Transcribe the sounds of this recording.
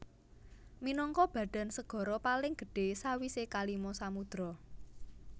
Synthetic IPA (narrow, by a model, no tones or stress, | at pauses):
minɔŋkɔb̥ä̤ɖ̪̥a̤nsəɡ̥ɔ̤ɾɔpalɪŋɡ̥ə̤ɖ̥e̤sawisekalimɔsamud̪̥ɾɔ